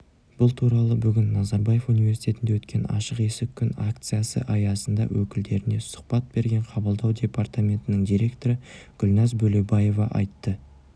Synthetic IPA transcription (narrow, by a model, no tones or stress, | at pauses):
b̥ʊlˠt̪ʰuɾɑlˠəbʏɡʲɪnːɑzɑɾbaje̞funivʲe̞rsi̥t̪ʲe̞t̪ɪnd̪ewɵt̪kʲe̞nɑ̰ʃəqe̞sɪkʲʰːʏnak̚t̪sɨjasə̰ʔɑjɑsənd̪ɑ̰wʔɵkʲɪld̪e̞ɾɪne̞sʊ̥q̚pɑt̪̚be̞ɾɡʲe̞ɴqʰɑbəlˠd̪ɑwd̪ʲe̞part̪amʲe̞nt̪ɪnɪŋd̪ijɾe̞kt̪o̞ɾəɡ̥ʊlnɑzbɵle̞baje̞vɑʔɑjt̪ːə